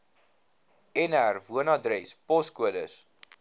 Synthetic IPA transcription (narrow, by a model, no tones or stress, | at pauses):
ɛnærvuənɑdɾɛspɔskuədəs